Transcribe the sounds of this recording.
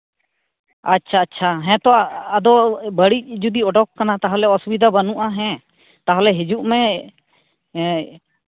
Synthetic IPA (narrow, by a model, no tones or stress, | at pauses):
atːʃʰaːtːʃʰaɦɛ̃t̪ɔaːd̪ɔbəɽic̚ˀd͡ʒud̪iɔɖɔkːanat̪aɦalɛɔsubid̪ʱabənuʔaɦɛ̃ | t̪aɦalɛɦid͡ʒuʔmɛ